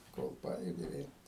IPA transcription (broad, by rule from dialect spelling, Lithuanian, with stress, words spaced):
koːlˠ ˈpɑːjʊdʲɪ ʋʲeːlʲ